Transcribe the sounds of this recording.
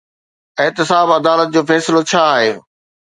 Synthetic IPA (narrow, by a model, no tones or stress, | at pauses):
ɪɦt̪ɪsaːbɐd̪aːlət̪̚d͡ʑoːfɛːsɪlot͡ɕʰaːɦeː